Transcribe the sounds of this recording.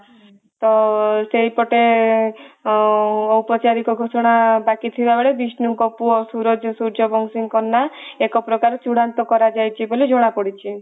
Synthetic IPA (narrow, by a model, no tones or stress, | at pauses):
t̪ɔsejpɔʈe | ɔwpɔt͡ʃaɾikɔɡʱɔsɔɽ̃abakit̪ʰibabeɭebisnukɔpuɔsuɾɔd͡ʒsuɾd͡ʒɔbʱɔŋsiŋkɔnːaekɔpɾɔkaɾt͡ʃuɽant̪ɔkɔɾad͡ʒajt͡ʃʰibolid͡ʒoɽ̃apɔɽit͡ʃʰi